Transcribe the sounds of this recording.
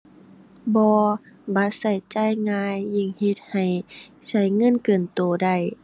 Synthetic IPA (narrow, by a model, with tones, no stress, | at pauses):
bɔː˧ | ba˧˦t̪̚sa˧˩jt͡ɕa˧˩˨jŋaː˧jːi˧˩ŋhe˧˦t̪̚ha˨˩jsa˧˦jŋɤ˧˥˨nkɤː˨˩nt̪oː˨˩da˧˩j